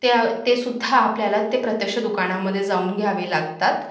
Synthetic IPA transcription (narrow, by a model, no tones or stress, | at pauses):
t̪et̪esud̪ʱːaːpljalat̪ːepɾət̪jəkʂəd̪ukaɽ̃aməd̪ʱːjed͡zauːnɡʱjaʋiːlaɡt̪at̪